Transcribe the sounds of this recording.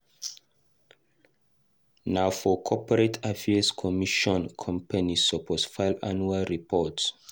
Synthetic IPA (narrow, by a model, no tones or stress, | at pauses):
naʊfɔkʰɔpəɹetʰafɛskʰɔmiʃɔ̃nkʰɔ̃mpanisɔpʰɔsfaɪlanualɹipʰɔts